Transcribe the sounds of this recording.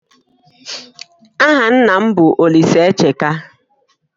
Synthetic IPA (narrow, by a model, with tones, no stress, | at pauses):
a˦ɦa˨n̩˦na˨m̩˦bʊ˨ʔo˨li˨se˨˦e˦t͡ʃe˨ka˦